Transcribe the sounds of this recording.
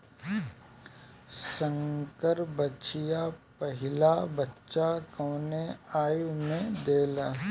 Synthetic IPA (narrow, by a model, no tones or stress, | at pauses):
sə̃ŋkəɾbət͡ʃɪjapəɦɪlabətːʃakɔːneaːjmẽd̪eːla